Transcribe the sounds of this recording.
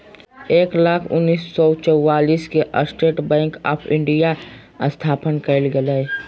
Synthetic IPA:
eːklaːkʰʊ̰nːiːsːɔt͡ʃəwːaːliːskeʔə̰sʈeːʈbɛ̃ːŋka̰ːpʰɪ̃ɳɖija | st̪ʰaːpənkəlɡəlɛ

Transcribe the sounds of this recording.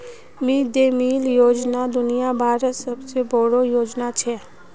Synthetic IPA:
mĩd̪eːmiːljoːd͡ʒnad̪ʊnijabʱaːɾəsəbsebʱoːɽojoːd͡ʒnat͡ʃʰe

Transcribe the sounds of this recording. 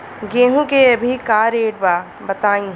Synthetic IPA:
ɡẽːɦũkeɐbʱikaːɾeːɖbaː | bɐt̪aːĩ

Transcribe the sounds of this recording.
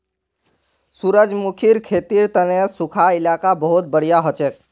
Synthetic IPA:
suɾəd͡ʒmukʰiɾkʰeːt̪iɾt̪ənesukʰaɪlaːkabəɦut̪̚bəɽ̤ijaɦɔt͡ʃek̚

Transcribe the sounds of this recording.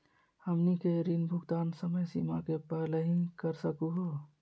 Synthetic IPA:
həmnikeɾinbʱʊɡt̪aːnsəməjsimakepɛɦleɦĩkəɾsəkuɦo

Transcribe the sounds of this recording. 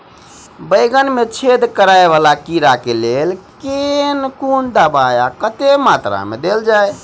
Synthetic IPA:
bəjɡənmet͡ʃʰed̪kəɾaeβalakiɾakelelkenkund̪abajakət̪emat̪ɾa̰mḛd̪eld͡ʒaj

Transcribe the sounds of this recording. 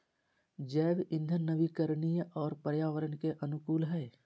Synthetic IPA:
d͡ʒɛːbɪ̃nd̪ʱənːəbikəɾnijɔːɾpəɾjaːʋəɾənkeʔɐnʊkuːlɦɛː

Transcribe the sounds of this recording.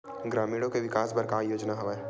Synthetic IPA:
ɡɾaːmiːɽõkeʋɪkaːsbɐɾkaːjoːd͡ʒnaɦɐʋeː

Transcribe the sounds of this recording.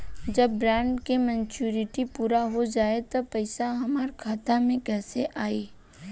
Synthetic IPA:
d͡ʒɐbːɾɛ̃ːɳɖkemɛ̃ːt͡ʃuːɾɪʈipuːɾaɦod͡ʒaːet̪opɐɪsaɦɐmaːɾkʰaːt̪amẽkɛːseʔaːiː

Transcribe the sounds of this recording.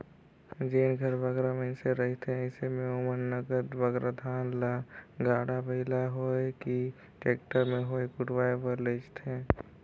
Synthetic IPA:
d͡ʒeːnɡʱəɾbəɡɾaməɪnseɾət̪ẽəɪsemẽomənːəɡəd̪ʋəɡɾəd̪ʱaːnlaɡaːɽabəɦɪlaɦoeki | ʈeːk̚ʈəɾmẽɦoːekʊʈwaːepəɾlet͡ʃt̪ẽː

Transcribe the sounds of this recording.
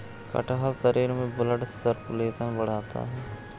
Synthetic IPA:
kɐ̰ʈʰaɦəlsəɾiːɾmẽbʊləɖsəɾpʊleːʃənbɐɽ̤aːt̪a̰ɦɛː

